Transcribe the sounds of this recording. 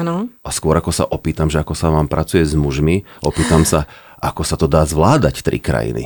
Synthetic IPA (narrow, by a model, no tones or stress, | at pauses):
anɔʔaskʊɔɾakɔsa̰ʔɔpiːt̪amʒɛakɔsaʋaːmpɾʔat͡sujɛzmuʒmiʔɔpiːt̪amsa | ʔakɔsat̪ɔd̪aːzʋlaːd̪act̪ɾʔḭkɾa̰jḭnḭ